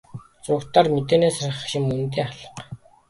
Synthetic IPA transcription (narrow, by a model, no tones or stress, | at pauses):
t͡sʊːkt̪aːrmet̪eːneːsarʲχə̆χʃɪ̆mːɵnt̪̬eːχaɮə̆q